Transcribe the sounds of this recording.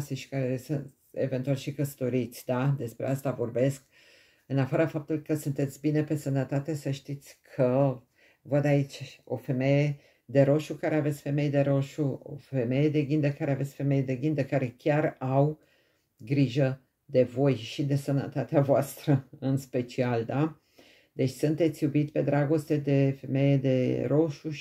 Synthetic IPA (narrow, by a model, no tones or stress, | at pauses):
seʃi̥kaɾesɨ | e̞̰ve̞nt̪ualʃikəsə̥t̪o̞ɾit̪sʲd̪ad̪e̞spɾeast̪avo̞rbe̞sk̚ | ɨnafaɾafap̚t̪ulkəsunt̪e̞t̪sʲbine̞pe̞sənət̪at̪e̞səʃt̪it̪sʲkʰə | vəd̪ait͡ʃʲo̞̰fe̞me̞je | d̪e̞ɾo̞ʃukaɾeavet̪sʲfe̞me̞jd̪e̞ɾo̞ʃuo̰fe̞me̞jed̪e̞ɡʲind̪əkaɾeavet̪sʲfe̞me̞jed̪e̞ɡʲind̪əkaɾe̞kʲaraw | ɡɾiʒə | d̪e̞vo̞jʃid̪e̞sənə̰t̪at̪eavoast̪ɾəɨnspe̞t͡ʃiald̪a | d̪e̞t͡ʃʲsunt̪e̞t̪sʲjubit̪ʲpe̞d̪ɾaɡo̞st̪e̞d̪e̞fe̞me̞jed̪e̞̰ɾo̞ʃu